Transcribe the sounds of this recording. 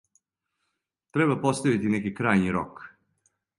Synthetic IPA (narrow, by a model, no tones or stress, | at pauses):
t̪ɾeβbapost̪aʋit̪inekikɾaːjniɾo̰k